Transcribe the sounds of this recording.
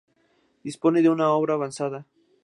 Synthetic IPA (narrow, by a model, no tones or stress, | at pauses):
d̪ispo̞neðeunao̞βɾaːβansaða